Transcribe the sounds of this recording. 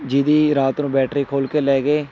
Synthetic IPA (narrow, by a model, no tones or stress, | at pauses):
d͡ʒiːd̪iːɾaːt̪nũːbɛːʈʰɾiːkʰoːlkeːlɛːɡeː